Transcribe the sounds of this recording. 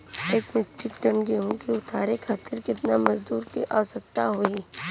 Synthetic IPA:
eːkmɪʈʰːɪkʈɐ̃ɳɡeɦõkeʊt̪ʰaːɾekʰaːt̪ɪɾkɪt̪namɐzd̪uːɾkiʔaːsɐk̚t̪aɦoi

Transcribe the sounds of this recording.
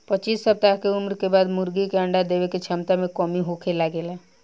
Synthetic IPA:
pətːt͡ʃiːsːəp̚t̪akeumɾkebaːd̪mʊɾɡikeəɳɖad̪eʋeket͡ʃʰəmt̪amẽkɔmiɦokʰelaɡeːla

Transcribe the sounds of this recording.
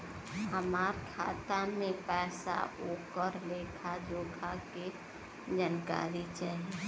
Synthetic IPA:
həmaːɾkʰa̰ːt̪amẽpɛːsa̰oːkəɾleːkʰad͡ʒoːɡʱʰake | d͡ʒaːnka̰ːɾit͡ʃaːɦie

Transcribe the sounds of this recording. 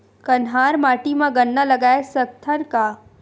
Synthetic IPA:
kɐnɦaːɾmaːʈimãɡɐnːalɐɡaːesɐk̚t̪ʰəɾka

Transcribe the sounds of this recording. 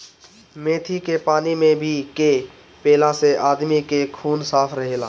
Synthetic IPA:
mẽːt̪ʰikepaːnimẽbʱike | peːlãseʔaːd̪mikekʰuːnsaːpʰɾəɦeːla̰ː

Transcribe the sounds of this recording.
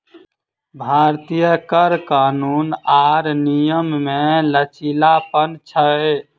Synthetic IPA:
bʱaɾt̪ijəkəɾkanunaɾnijəmːelət͡ʃilapənt͡ʃʰəe

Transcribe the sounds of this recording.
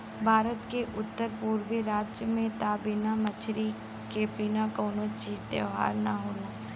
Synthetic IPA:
bʱaːɾət̪keʔʊt̪ːəɾpuːɾʋiɾaːd͡ʒjəmẽt̪aːbinamɐt͡ʃʰɾi | kepiːnakɔːnot͡ʃiːzt̪ḛɦa̰ːɾnaɦoːloː

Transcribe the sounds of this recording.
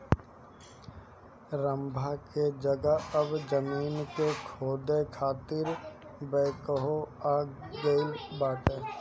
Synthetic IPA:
ɾə̃mbʱaked͡ʒəɡəəbd͡ʒəmiːnkekʰoːd̪ekʰaːt̪ɪɾbɛːkəɦoaːɡəɪlbaːt̪ɦɛ̃ː

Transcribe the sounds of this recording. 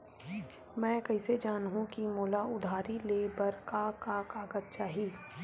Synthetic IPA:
mɛ̃ːkɐɦɪsed͡ʒaːnɦũkimoːlaʊd̪ʱaːɾileːbəɾkakakaːɡət̪̚t͡ʃaːɦiː

